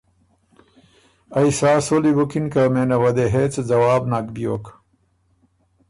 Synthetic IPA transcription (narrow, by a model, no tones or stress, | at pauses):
ɐisaːsolibukinkɐmeːnɐwɐd̪eɦeːt͡sd͡zɐwaːbnakbijoːk